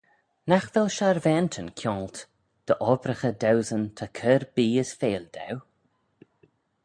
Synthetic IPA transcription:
naxvɛlʃaɾvɛːnt̪ʰənkʰjɔːlt̪ | d̪̥əʔɔbɾəxəd̪awzənt̪ʰakʰəɾbiːəsfeːld̪ɛ̰w

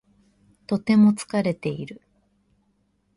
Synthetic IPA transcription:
t̪o̞t̪e̞mo̞t͡sɨ̥kaɾe̞t̪e̞iɾɯ̟

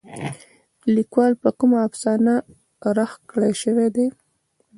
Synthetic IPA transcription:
likwɑlpəkumaːfsɑna | ɾaxkɽeʃəwed̪e

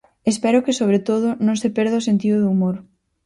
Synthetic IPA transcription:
espɛɾʊkɪsoβ̞ɾet̪oð̞ʊnõŋsepeɾð̞ɐosent̪iðʊðumoɾ

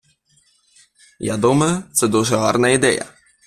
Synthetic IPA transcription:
ja̰d̪umɐjʊt̪sɛd̪uʐɛɦɑ̰rnɐid̪ɛjɐ̰

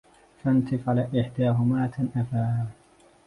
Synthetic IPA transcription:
fant̪ɪfʕalaʔɪħd̪aːɦʊmaːt̪ʰanʔafaː

